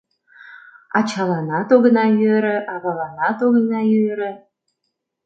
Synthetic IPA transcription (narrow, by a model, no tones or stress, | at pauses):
ɑt͡ɕɑlɑnɑt̪oɣənɑjøɾə̆ʔɑɣɑlɑnɑt̪oɣə̆nɑjøɾə̆